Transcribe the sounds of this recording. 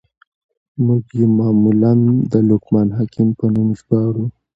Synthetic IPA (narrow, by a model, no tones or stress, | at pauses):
muɡjemɑːmuland̪əlukmanɦɑkɪmpənumʒɡɑɾu